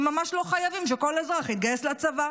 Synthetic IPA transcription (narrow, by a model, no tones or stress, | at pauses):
mːamaʃlo̞χajavimʃ̬eko̞lezʁaχit̪̚ɡajesleat͡sava